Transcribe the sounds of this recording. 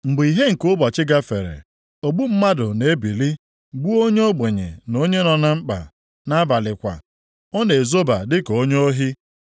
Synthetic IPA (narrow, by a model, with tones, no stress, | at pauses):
ŋ͡m̩˨bʊ˨i˨ɦe˦ŋ̩˨kʊ˦bɔ˨t͡ʃɪ˦ɡa˦fḛ˨ɾḛ˨ | o˨ɡ͡bu˦m̩˦ma˦dʊ˨ne˨˦bi˨li˦ | ɡ͡bu˦o˦ɲe˦o˦ɡ͡be˨ɲḛ˨no˦ɲe˦nɔ˨na˦ŋ͡m̩˦k͡pa̰˨ | na˦a˦ba˨lɪ˨kʷa̰˨ | ɔ˦ne˨zo˦ba˨dɪ˦ko˦ɲ˦o˦ɦi˦